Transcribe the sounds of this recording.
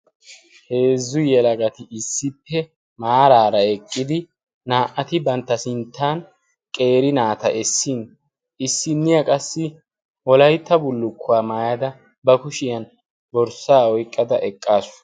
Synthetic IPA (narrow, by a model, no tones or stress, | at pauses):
heːzːʊjɛlɐɡɐt̪ɪɪsːɪpːɛ | maːɾaːɾɐɛkʼːɪd̪ɪː | aːʔɐt̪ɪbɐnt̪ːɐsɪnt̪ːaːn | kʼe̞ːɾɪnaːt̪ɐʔɛsːin | ɪsːɪnːɪjɐkʼɐsːɪ | wɔlɐjt̪ːɐbʊlːʊkʰːʊaːmaːjɐd̪ɐ | bɐkʊʃɪjɐn | bɔɾsaːɔjkʼːɐd̪ɐ̰ʔɛkʼːaːsʊ̥